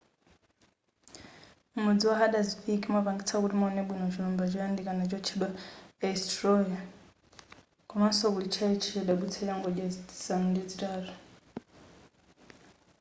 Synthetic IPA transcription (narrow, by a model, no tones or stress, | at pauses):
mumud͡ziwaɦaɗaziɸikʼimapaŋɡit͡sʰakutimaɔnɛɓwinɔt͡ʃinumbad͡ʒɔjandikanat͡ʃɔt͡ʃʰiɗwaɛstrɔja | kɔmasɔkulit͡ʃʰait͡ʃʰit͡ʃaɗaɓut͡sʰajaŋɡɔɗjasanundid͡zitaːɾɔ